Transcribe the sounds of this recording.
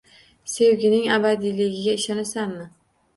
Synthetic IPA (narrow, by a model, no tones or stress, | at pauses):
se̞wɡʲɪnɪŋabad̪ijlɪɡʲɪɡʲaɪʃɒnɪsanmɪ